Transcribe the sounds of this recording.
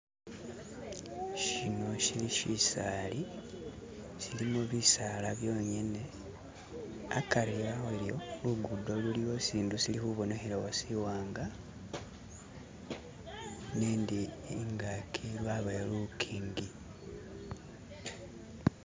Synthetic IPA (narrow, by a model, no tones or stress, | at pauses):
ʃino̞ʃiliʃisali | silimuβisaːlaβjo̞ːɲene̞ | akaɾiɾaeljo̞luɡudo̞lulijo̞siːndusilihuβo̞nehiɾawasiwaːŋɡa | neːndiŋɡakʰilwaβelukʰiːŋɡi